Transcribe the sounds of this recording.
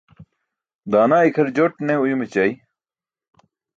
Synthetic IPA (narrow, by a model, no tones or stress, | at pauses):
d̪aːnaːikʰɐɾd͡ʑoʈneujumet͡ɕai